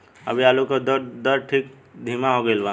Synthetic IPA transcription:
ə̰bʱiaːlukəd̪əd̪əɾʈʰiːk | d̪ʱimaɦoɡəɪlbãː

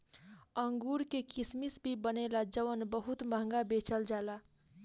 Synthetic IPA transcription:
əŋɡuɾkekismisbʱibənelad͡ʒəʋənbəɦut̪məɦəŋ̆ɡabet͡ʃəld͡ʒala

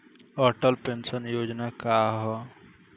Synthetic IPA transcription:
əʈəlpensənjod͡ʒnakaɦɔ

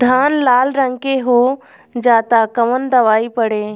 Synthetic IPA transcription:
d̪ʱaːnlaːlɾə̃ŋkeɦoː | d͡ʒaːt̪akɐʋənd̪ɐʋaːipɐɽeː

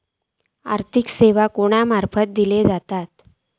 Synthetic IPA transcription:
a̰ɾt̪ʰikseʋakoɽ̃amaɾfət̪̚d̪iled͡zat̪at̪

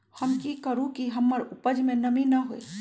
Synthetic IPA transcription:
hɐmkikəɾũkiɦɐmːəɾʊpəd͡ʒmẽnɐmĩnɐɦoḛː

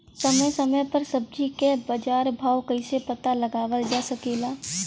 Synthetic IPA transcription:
səməjsəməjpəɾsəb̚d͡ʒikebəd͡ʒaːɾbʱaːwkəɪsepət̪aləɡaːʋəld͡ʒaːsəkeːlaː

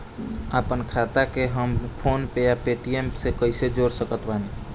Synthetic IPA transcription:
apənkʰat̪akeɦəmpʰonpejapeʈiemsekəɪsed͡ʒoɾsəkət̪bani

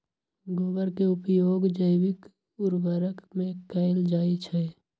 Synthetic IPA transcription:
ɡoːbəɾkeʊpjoːɡd͡ʒəɪwɪk | ʊɾbəɾəkmẽkəɪld͡ʒaːit͡ʃʰɛ

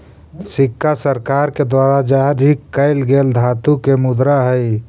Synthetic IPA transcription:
sɪkːasəɾkaːɾked̪waɾad͡ʒad̪ʱikːəɪlɡeːld̪ʱaːt̪ukemʊd̪ɾaɦəj

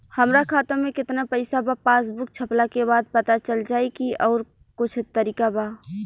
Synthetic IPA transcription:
hɐmɾakʰaːt̪õmẽkɪt̪napəɪsabapaːs̬bʊk̚t͡ʃʰɐplakebaːd̪̚pɐt̪at͡ʃəld͡ʒaːikiʔɔːɾ | kʊt͡ʃʰt̪əɾiːkaba

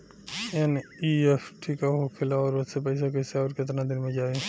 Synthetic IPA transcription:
eniesʰʈʰikaɦokʰelaɔːɾot̪sepəɪs̬akəɪseɔːɾket̪nad̪inmẽd͡ʒae

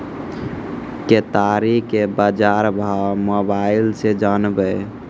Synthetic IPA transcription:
ket̪aɾikebad͡ʒaɾbʱawmobailsed͡ʒanbɛ

